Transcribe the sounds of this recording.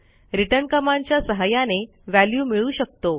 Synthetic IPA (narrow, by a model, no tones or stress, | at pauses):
ɾiʈəɾnkəmaɲt͡ɕjasəɦajane | ʋæljuːmiɭuːɕək̚t̪o